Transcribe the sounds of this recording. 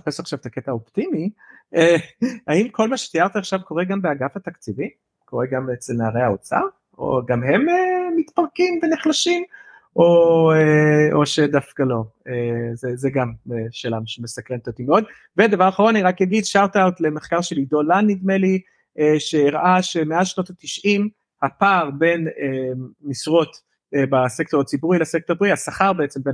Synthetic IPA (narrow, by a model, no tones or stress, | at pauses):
apesaχʃavet̪aket̪aopt̪imiehaimkʰo̞lmaʃe̥t̪iaʁt̪aaχʃavko̞ʁeɡambeaɡafhat̪akt͡sivi | ko̞ʁeɡamet͡selnaaʁejhaot͡sa̰ | o̰ɡamɦe̞memit̪paʁkimveniχlaʃim | ʔoeoʃed̪afkalo̞ezezeɡameʃelamʃemesakʁent̪ot̪imeod̪ | ved̪avaʁaχaʁonaniʁakjaɡid̪ʃawt̪awt̪le̞meχkaʁʃeliɡd̪o̞lanːid̪meli | ʔeʃeiʁʔaʃemeaʃno̞t̪at̪iʃʔim | hapaːʁbe̞nemisʁo̞t̪ | ebasek̚t̪oʁat͡sibuʁilasek̚t̪obʁihasaχaʁbeet͡sembe